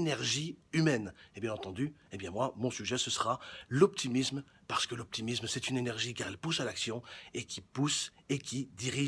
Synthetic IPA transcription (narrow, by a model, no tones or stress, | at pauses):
nɛʁʒiymɛnebjɛ̃nɑ̃t̪ɑ̃d̪yebjɛ̃mwamɔ̃syʒɛsəsəʁalɔp̚t̪ʰimism | paʁ̥sə̥kəlɔp̚t̪imismsɛt̪ynenɛʁʒikaʁɛlpusalaksjɔ̃ekʲipusekʲid̪iʁi